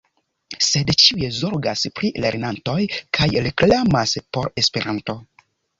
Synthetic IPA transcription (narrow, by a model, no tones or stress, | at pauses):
se̞dt͡ʃiuezo̞ɾɡaspɾile̞ɾnanto̞jkʰajɾeklamaspo̞ɾe̞spe̞ɾʔanto̞